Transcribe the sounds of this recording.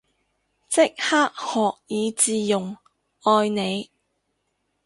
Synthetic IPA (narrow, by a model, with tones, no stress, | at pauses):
t͡sɪ˥k̚haː˥k̚hɔː˨k̚jiː˨˧t͡siː˨˧jʊ˨˩ŋ | ɔː˧jne˨˧j